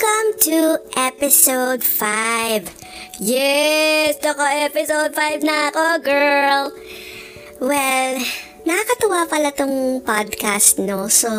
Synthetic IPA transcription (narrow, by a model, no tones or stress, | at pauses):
kɐ̃mt̪uʔɛpɪsowd̪fajv | jɛsd̪ɐkoʔɛpɪsowd̪̚fajvnɐɐkoɡɛɹl | wɛl | nɐkɐkɐt̪ɐwapɐlat̪oŋpad̪̚kast̪noso